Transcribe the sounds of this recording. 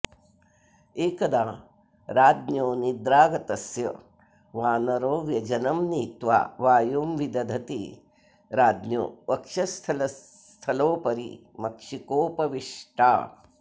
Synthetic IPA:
eːkɐd̪aː | ɾaːd̪njoːnid̪ɾaːɡɐt̪ɐsjɐ̰ | ʋaːnɐɾoːʋjɐd͡ʒɐnɐmniːt̪ʋa̰ːʋaːjoːmʋid̪ɐd̪ʱɐt̪ḭ | ɾaːd̪njo̰ːʋɐkʂɐst̪ʰɐlɐ | t̪ʰɐloːpɐɾḭ | mɐkʂikoːpɐʋiʂʈa̰ː

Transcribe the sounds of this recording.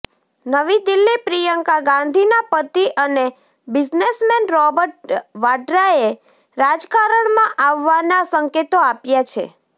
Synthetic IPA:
nəʋid̪ilːipɾijəŋkaɡãnd̪ʱinapət̪iʔəne | bɪd͡ʒnesmɛnɾɔbəɾʈʋaɖɾae | ɾad͡ʒkaɾəɳmãʔaʋːanasəŋket̪oapjat͡ʃʰḛ

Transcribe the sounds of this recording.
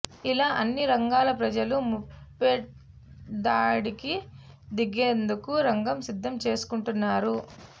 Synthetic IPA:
ilaːʔɐnːiɾɐŋɡaːlɐpɾɐd͡ʒɐlumupːeʈ | d̪aːɽiki | d̪iɡeːnd̪ukuɾɐŋɡɐmsid̪ʱːɐmt͡ʃe̞ːsu̥kuɳʈunːaːɾu

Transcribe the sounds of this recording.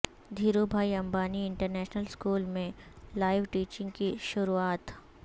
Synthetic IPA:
d̪ʱiːɾobʱaːiɐ̃mbaːniɪɳʈəɾnɛːʃnəlskuːlmẽlaːɪʋʈiːt͡ʃɪ̃ŋɡkiʃʊɾuaːt̪

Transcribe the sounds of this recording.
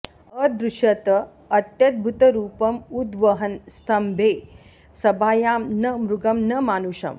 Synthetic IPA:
ɐd̪ɾuʃjɐt̪ɐ | ɐt̪jɐd̪̚bʱut̪ɐɾuːpɐmud̪ʋɐɦɐnst̪ʰɐmbʱeː | sɐbaːjaːmnɐmɾuɡɐmnɐmaːnuʃɐ̰m

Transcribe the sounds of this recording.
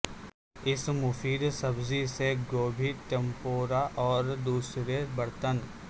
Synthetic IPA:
ɪsmʊfiːd̪sɐbziseɡoːbʱiʈ̪empoːɾaʔɔːɾd̪uːsɾebɐɾt̪ən

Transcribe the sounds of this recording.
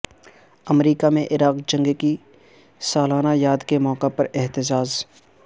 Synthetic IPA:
ɐmɾiːkamẽʔɪɾaːqd͡ʒɐ̃ŋɡki | saːlaːnajaːd̪kemɔːqepɐɾɪɦt̪ɪd͡ʒaːz

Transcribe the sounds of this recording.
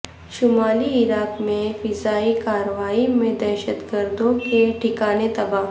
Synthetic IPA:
ʃʊmaːliɪɾaːkmẽfɪzaːikaːɾəʋaːimẽd̪ɛːʃət̪ɡəɾd̪õkeʈʰɪkaːnet̪ɐbaːɦ

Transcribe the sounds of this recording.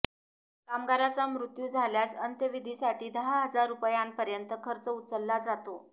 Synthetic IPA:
kamɡaɾat͡samɾut̪juːd͡zʱaljat͡sənt̪jəʋid̪ʱiːsaʈʰiːd̪əɦaɦəd͡zaɾːupjanpəɾjənt̪əkʰəɾt͡səut̪t͡səlːad͡zat̪o

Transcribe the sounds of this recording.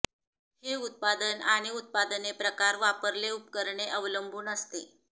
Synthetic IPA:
heut̪̚pad̪ənaɽ̃iut̪̚pad̪ənepɾəkaɾʋapəɾleupkəɾɳeʔəʋləmbʱuːnəst̪e

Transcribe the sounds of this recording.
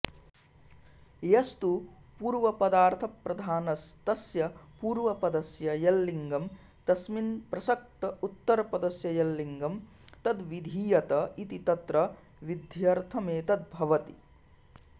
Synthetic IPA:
jɐst̪u | puːɾʋɐpɐd̪aːɾt̪ʰɐpɾɐd̪ʱaːnɐst̪ɐsjɐpuːɾʋɐpɐd̪ɐsjɐjɐlːiŋɡɐm | t̪ɐsminpɾɐsɐk̚t̪ɐut̪ːɐɾɐpɐd̪ɐsjɐjɐlːiŋɡɐm | t̪ɐd̪ʋid̪ʱiːjɐt̪ɐit̪it̪ɐt̪ɾɐ | ʋid̪ʱjɐɾt̪ʰɐmeːt̪ɐd̪̚bʱɐʋɐt̪i̥

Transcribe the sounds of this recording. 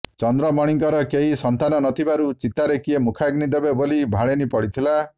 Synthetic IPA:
t͡ʃɔnd̪ɾɔmɔɽ̃iŋkɔɾɔkeɦisɔnt̪anɔnɔt̪ʰibaɾut͡ʃit̪aɾekiemukʰaɡnid̪ebebolibʱaɭenipɔɽit̪ʰila

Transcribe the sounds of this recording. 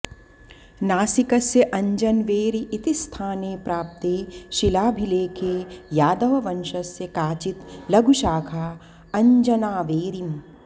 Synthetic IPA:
naːsikɐsjeʔɐ̃ɲd͡ʒɐnʋeːɾiʔːt̪ist̪ʰaːneːpɾaːp̚t̪eːʃilaːbʱileːkʰeːjaːd̪ɐʋɐʋɐnʃɐsːekaːt͡ʃit̪lɐɡʱuʃaːkʰa | ɐ̃ɲd͡ʒɐnaːʋeːɾim

